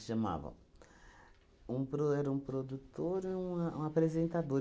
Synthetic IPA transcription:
ʃɐma̰vɐ̰̃ | ũpɾoɛɾɐũpɾod̪ut̪oɾiũɐũapɾezẽnt̪ad̪oɾ

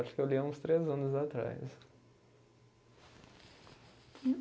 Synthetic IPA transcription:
ɾt̪kewlʲiɐũst̪ɾezɐ̃nʊzat̪ɾa̰js

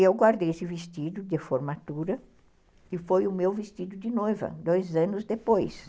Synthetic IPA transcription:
ewɡwaɾd̪ejesɪvist͡ʃ̪id̪ʊd̪ɪfoɾmat̪uɾɐ | ɪfojʊmewvist͡ʃid̪ʊd̪ɪnojvɐ̰d̪ojzɐ̃nʊzd̪epojs

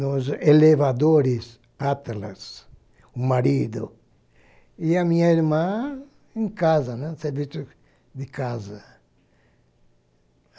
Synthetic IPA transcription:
noselevad̪oɾis | at̪la̰s | umaɾid̪o̰ | iamĩɲaiɾmã | ẽŋkazɐnɛ̃seɾvisjo | d̪ɪkazɐ

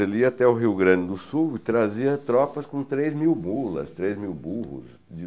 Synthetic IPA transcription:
eliɐat̪ɛʊɦiwɡɾɐ̃d͡ʒɪd̪ʊsuwɪt̪ɾaziɐt̪ɾɔpɐskõt̪ɾezmiwmulɐ̰st̪ɾezmiwbuhʊ̰s | d͡ʒɪ

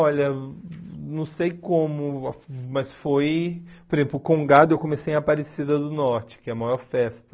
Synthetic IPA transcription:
ɔʎɐ | nɐ̃w̃sejkõmʊfmɐsfojpoɾezẽplʊkõɡad̪ʊewkõmesej̃ɐpaɾesid̪ɐd̪ʊnɔɾt͡ʃɪ̥kɪɛɐmajɔɾfɛst̪ɐ̥

